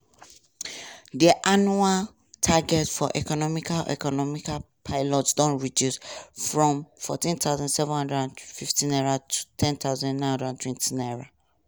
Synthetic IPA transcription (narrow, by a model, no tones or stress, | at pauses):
diʔanual | tʰaɡɛtfɔʔɛkɔnɔmikalʔɛ̰kɔnɔmikal | pʰaɪlɔtsdɔ̃nɹidjusfɹɔ̃mfɔ̰tĩnt̪aʊzãndsɛṽnhʌ̃ndɹɛdãnfiftĩnɛɹatʰu̥tʰɛ̃ntaʊzãnnãhndɹɛdãntʰwɛ̃ntĩnɛɹa